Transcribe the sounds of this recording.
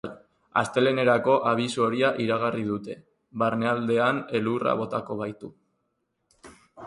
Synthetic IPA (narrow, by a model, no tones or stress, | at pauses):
l | a̰st̪e̞le̞ne̞ɾako̞ʔaβ̞isooɾiaʔiɾaɣ̞arið̞ut̪e̞ | βaɾne̞ald̪e̞ane̞lura̰β̞o̞t̪ako̞βajt̪u